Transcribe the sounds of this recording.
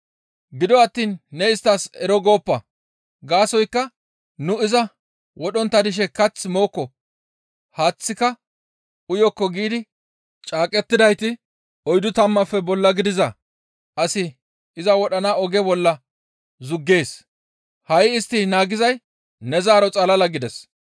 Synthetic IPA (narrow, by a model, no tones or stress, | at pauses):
ɡɪd̪ɔɐt̪ːiːnːɛɪst̪ːasɛɾɔɡo̞ːpːɐ | ɡaːsɔjkːɐ | nʊɪzɐ | wɔɗɔnt̪ːɐd̪ɪʃ̬ɛkɐt͡sːmo̞ːkːɔ | haːt͡sːɪkɐ | ʊjɔkːɔɡiːd̪ɪ | t͡ʃʼaːkʼɛt̪ːɪd̪ɐjt̪ɪ | ɔjd̪ʊt̪ɐmːɐfːɛbɔlːɐɡɪd̪ɪzɐ | ʔɐsɪ | ɪzɐwɔɗɐnaːɔɡɛbɔlːɐ | zʊɡːe̞ːs | hɐjɪst̪ːinaːɡɪzɐj | nɛzaːɾɔt͡sʼɐlɐlɐɡɪd̪ɛs